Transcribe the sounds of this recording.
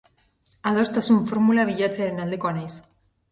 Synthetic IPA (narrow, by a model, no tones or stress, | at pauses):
aðost̪asuɱfoɾmulaβiʎat͡seaɾenald̪e̞ko̞anajs